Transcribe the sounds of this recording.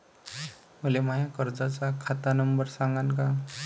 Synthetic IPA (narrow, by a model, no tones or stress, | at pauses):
məlemajakəɾd͡zat͡sakʰat̪anəmbəɾsãŋɡanka